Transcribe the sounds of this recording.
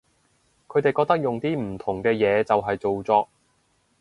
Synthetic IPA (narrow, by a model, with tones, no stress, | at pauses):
kʰɵ˨˧t̪e˨jkɔː˧k̚t̪ɐ˥k̚jʊ˨ŋt̪iː˥m̩˨˩t̪ʰʊ˨˩ŋkɛː˧jɛː˨˧t͡sɐ˨wɦɐ˨jt͡so˨wt͡sɔː˧k̚